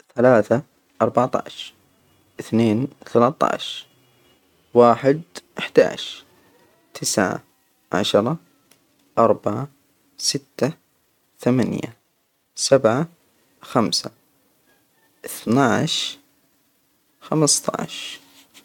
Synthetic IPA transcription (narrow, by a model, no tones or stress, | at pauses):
θalaːθa | ʔɑɾˤbɑʕt̪ˤɑ̰ʕʃɾ | ʔɪθneːnθalat̪ˤːɑ̰ʕʃɾ | waːħɪd̪ʔɪħd̪a̰ːʕʃ | t̪ʰɪsʕa̰ | ʕa̰ʃɾˤɑ | ʔɑɾˤbaʕa | sɪt̪ːa | θamanja̰ | sabʕa | xamsa | ʔɪθnaʕʃ | xamst̪ˤɑ̰ʕʃ